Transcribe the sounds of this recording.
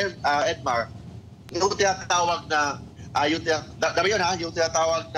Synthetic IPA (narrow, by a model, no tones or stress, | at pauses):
ɛaɛd̪̚maɹ | jʊŋt̪ɪnat̪aːwaɡ̚naʔajʊŋt̪ɪnad̪ad̪amajonhajʊŋt̪ɪnat̪aːwaɡ̚na